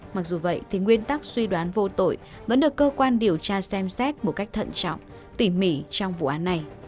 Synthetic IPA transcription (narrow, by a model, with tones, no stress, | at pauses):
ma˨˩k̚zu˨˩və̰˧˨jt̪ʰi˨˩ŋwi˧ənt̪a˦˥k̚swi˧ɗwaː˨˦nvo˧t̪o̰˧˨j | və̰˧˥nɗɨ˨˩əkːəː˧kwaː˧nɗi˨˩əwt͡ɕaː˧sɛ˧msɛ˦˥t̚mo˨˩ka˦˥jk̚t̪ʰə̰˧˨nt͡ɕɔ̰˧˨wŋ͡m | t̪i˧˩mḭ˧˩t͡ɕɔ˧wŋ͡mvṵ˧˨ʔaː˨˦nːa˨˩j